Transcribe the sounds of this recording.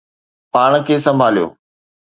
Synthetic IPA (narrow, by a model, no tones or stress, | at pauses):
paːɽ̃kʰeːsɐ̃mbʱaːlijo̰ː